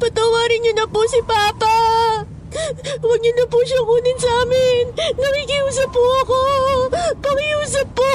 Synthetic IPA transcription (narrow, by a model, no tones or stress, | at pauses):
pɐt̪ɐwaːɾɪnɲʊnɐpʊsɪpaːpa | wɐɡ̚ɲʊnɐpʊʃɐŋʔuːnɪnsɐʔaːmɪnːɐkikɪʔuːs̬ɐpːʊʔɐko | pɐkɪʔuːsɐpːo